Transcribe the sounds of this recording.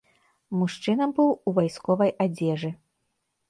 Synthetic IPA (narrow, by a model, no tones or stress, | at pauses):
muʂt͡ʂɨnɐmbɨwuvajskɔvɐjad͡zʲɛʐɨ